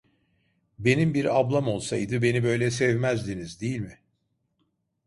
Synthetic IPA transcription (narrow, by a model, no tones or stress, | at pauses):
be̞nimbiɾablˠamo̞lˠsajd̪ɯbe̞nibø̞jlʲɛsɛvmæzd̪inizd̪ejilʲmɪ